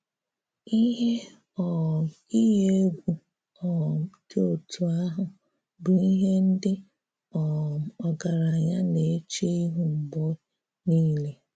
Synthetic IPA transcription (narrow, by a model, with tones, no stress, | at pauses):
i˦ɦe˦ | ɔ˨ | i˦ɦe˦e˦ɡʷu˦ | ɔ˨to˨tu˨a˦ɦʊ˨ | bʊ˨i˦ɦe˦n̩˦dɪ˦ | ɔ˨ɔ˨ɡa˨ɾa˨ɲa˦ne˨˦t͡ʃi˦i˦ɦu˨m̩˨bo˦ | niː˦le˨